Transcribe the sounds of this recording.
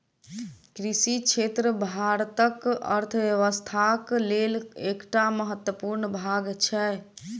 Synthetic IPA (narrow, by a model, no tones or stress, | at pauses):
kɾisit͡ʃʰet̪ɾəbʱaɾət̪əkə̰ɾt̪ʰbjəʋəst̪ʰaklelekʈaməɦət̪wəpuɾnəbʱaɡt͡ʃʰɛ